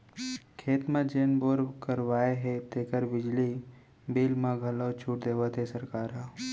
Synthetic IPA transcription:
kʰeːt̪mãd͡ʒeːnboːɾkəɾʋaːeɦet̪eːkəɾbɪd͡ʒli | biːlmãɡʱəlot͡ʃʰuːʈd̪eːʋət̪ɦɛsɐɾkaːɾɦã

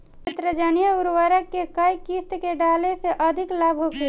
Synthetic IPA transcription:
ət̪ɾəd͡ʒaːnijəuɾwəɾəkːekəikist̪keɖaːleseʔəd̪ʱɪklaːbʱɦoke

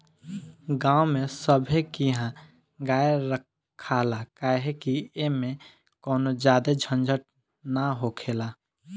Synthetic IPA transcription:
ɡãːumẽsəbʱekiɦã | ɡaːeɾəkʰː | alakaɦekiemẽ | kɔːnod͡ʒaːd̪ed͡ʒʱənd͡ʒʱəʈ̚ | naɦokʰeːla

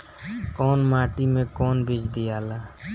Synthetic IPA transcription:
kɔːnmaːʈimẽkɔːnbid͡ʒd̪ijaːlaː

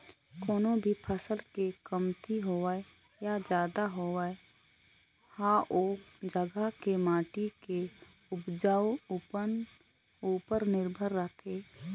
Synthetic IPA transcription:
koːnobʱipʰəsəlkekəmt̪iɦoːaejad͡ʒjaːd̪aɦoːae | hãʔoːd͡ʒəɡakemaːʈikeʊpd͡ʒaːwpən | uːpəɾnɪɾbʱəɾːəkʰeː

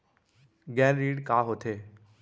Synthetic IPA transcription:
ɡɛːɾːiːɽkaːɦoːt̪ʰeː

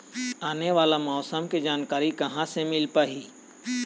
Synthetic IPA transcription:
aːneʋaːlamɔːsəmked͡ʒaːnkaːɾikɐɦãsemɪlpaɦiː

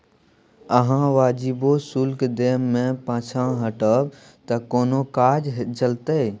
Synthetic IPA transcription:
əɦãʋaːd͡ʒibosulkd̪eːmːẽpãːt͡ʃʰãɦəʈəb | t̪əkoːnokaːd͡ʒɦt͡ʃəlt̪ə

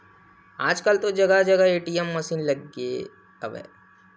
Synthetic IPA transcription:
aːd͡ʒkəlt̪od͡ʒɐɡad͡ʒɐɡaeːʈijɛmːɐsiːnlɐɡḛ | ɐ̰bɛ̰

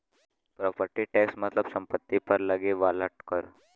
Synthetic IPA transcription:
pɾɔpəɾʈiʈɛksmət̪ləbsəmpət̪ːipəɾləɡeʋaləʈkəɾ

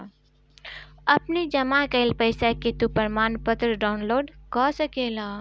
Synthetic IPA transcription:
ɐpnid͡ʒɐmakəɪlpəɪsaket̪upəɾmaːnpət̪ɾəɖaːʊnloːɾɖkɔsəkelaː

